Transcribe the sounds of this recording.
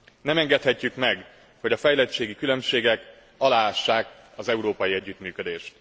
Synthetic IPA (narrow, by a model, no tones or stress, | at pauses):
nɛmɛŋɡɛt̪hɛcːykmɛɡ | ho̞ɟɒfɛjlɛt͡ʃeːɡikylø̞mʃeːɡɛk | ɒlaːaʃːaːk | ɒzɛuɾoːpɒjiɛɟːyt̪myːkø̞d̪eːʃt̪